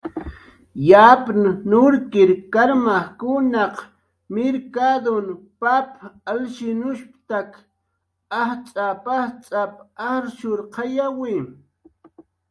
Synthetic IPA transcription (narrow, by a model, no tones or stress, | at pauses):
japnnʊɾkɪɾkaɾmaχkʊnɑq | mɪɾkad̪on | papalʃɪnʊʃpt̪ak | aht͡sʼapaht͡sʼapaɾʃʊɾqʰɑjawɪ